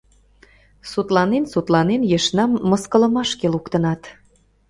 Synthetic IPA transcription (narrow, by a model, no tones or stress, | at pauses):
sut̪lɑnensut̪lɑnenjeʃnɑmːəskələmɑʃkelukt̪ənɑt̪